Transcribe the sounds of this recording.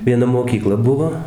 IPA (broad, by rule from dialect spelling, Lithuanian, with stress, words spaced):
ʋʲiɛˈnɐ moːˈkʲiːklˠɐ ˈbʊʋoː